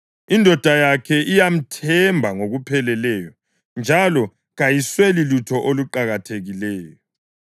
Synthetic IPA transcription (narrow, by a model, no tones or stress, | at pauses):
indʱɔd̥ʱajakʰɛʔijam̩tʰɛmbʱaŋoɣupʰɛlɛlɛːjɔ | nd͡ʒʱalɔ | ɣajiswelilutʰɔʔoluǃaɣatʰeɣilɛːjɔ